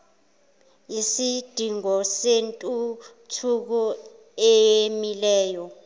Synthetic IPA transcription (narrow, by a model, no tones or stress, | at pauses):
jisid̥ʱiŋɔsentʼu | tʰuk̬ɔ | ejemilɛːjɔ